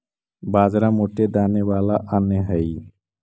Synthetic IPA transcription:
baːzɾamoːʈed̪aːneʋaːlaʔanəɦəi

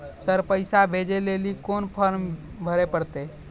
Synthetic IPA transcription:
səɾpəɪsabʱed͡ʒelelikonpʰəɾm | bʱəɾepəɽt̪e

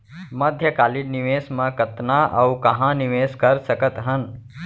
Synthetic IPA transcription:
mɐd̪ʱjəkaːlɪnɪʋeːsmãkət̪naʔɐukɐɦãnɪʋeːskəɾsəkət̪ɦən

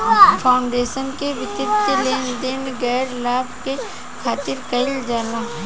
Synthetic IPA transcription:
pʰaːʊɳɖeːʃənkeʋɪt̪ɪt̪əleːnd̪enɡɛːɾlaːbʱke | kʰaːt̪ɪɾkɐɪld͡ʒaːlaː

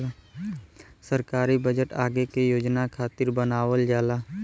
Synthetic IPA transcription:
səɾkaːɾibəd͡ʒəʈaːɡekejoːd͡ʒnakʰaːt̪ɪɾbənaːwəld͡ʒaːlaː

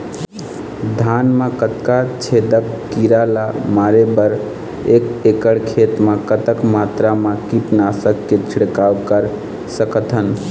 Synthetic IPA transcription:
d̪ʱanmãkət̪kat͡ʃʰed̪əkːiɾalamaɾebəɾ | ekekəɽkʰet̪makət̪əkmat̪ɾamakiʈnasəkːet͡ʃʰiɽkawkəɾ | səkət̪ʰən

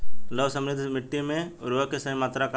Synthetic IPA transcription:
ləʋsə̃mɾɪd̪ʱmɪʈːimẽʊɾuʋəkesɐimaːt̪ɾaka

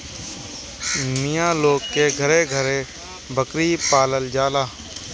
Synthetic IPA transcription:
mɪjãːloːɡ̚keɡʱəɾeɡʱəɾe | bʱəkɾipaːləld͡ʒaːlaː

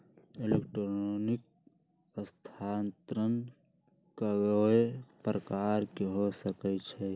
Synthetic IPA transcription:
elekʈɾonoːnɪk̚ | st̪ʰaːnt̪ɾən | kəɡəepɾəkaːɾkeɦosəkət͡ʃʰɛ

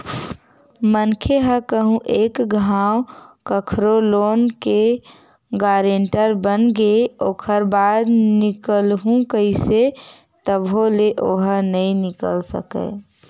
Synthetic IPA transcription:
mənkʰeɦəkəɦũʔekɡʱawkəkʰɾoloːnke | ɡaɾeɳʈəɾbənɡeoːkʰəɾbad̪nikəlɦũkəise | t̪əboleʔoɦənəĩnɪkəlsə̰kə̰

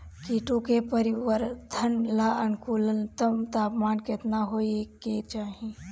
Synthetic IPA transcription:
kiːʈõkepəɾɪʋəɾd̪ʰʱənlaənkuːlənt̪əmt̪aːpmaːnkɪt̪naɦoːeket͡ʃaːɦĩ

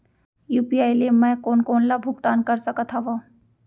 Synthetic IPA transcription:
juːpiaːɪliemɛ̃koːnkoːnlabʱʊɡt̪aːnkɐɾsəkət̪ʰaʋa

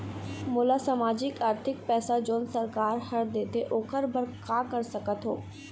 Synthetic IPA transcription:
mʊːlasɐmaːd͡ʒɪkaːɾt̪ʰɪkpɛːsad͡ʒoːnsəɾkaːɾhɐɾd̪eːt̪eʔoːkəɾbʱəɾkaːkəɾsɐkət̪ɦoː

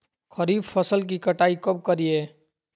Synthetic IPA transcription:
kʰəɾiːbpʰəsəlk̬ikəʈaːikəp̚kəɾieː

